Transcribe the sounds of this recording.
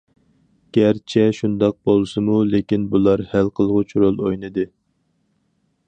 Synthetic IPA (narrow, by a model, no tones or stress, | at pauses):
ɡ̥ʲæɾt͡ʃʰɛʃund̪ɑq̚bolˠsɨmulekʲinbulˠɑɾhælqʰəlˠʁʊt͡ʃʰuɾolˠojnɨd̪ɨ